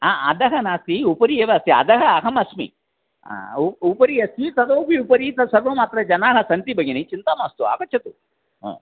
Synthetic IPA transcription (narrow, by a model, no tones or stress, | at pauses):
aːɐd̪ɐɦɐnaːst̪iupɐɾieːʋɐst̪iɐ̰d̪ɐɦɐɐɦɐmɐsmḭ | a̰uupɐɾiɐst̪it̪ɐd̪oːbiupɐɾit̪ɐsɐɾʋɐmaːt̪ɾɐd͡ʒɐnaːɦɐsɐnt̪ibɐɡinit͡ʃint̪aːmaːst̪ua̰ːkɐt͡ʃʰɐt̪u | a̰ː